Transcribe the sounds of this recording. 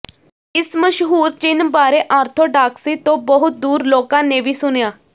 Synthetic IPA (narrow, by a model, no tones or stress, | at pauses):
ɪsməʃɦuːɾt͡ʃɪnbaːɾeːʔaːɾt̪ʰoːɖaːksiːt̪õːbəɦʊt̪̚d̪uːɾloːkãːneːʋiːsʊnjaː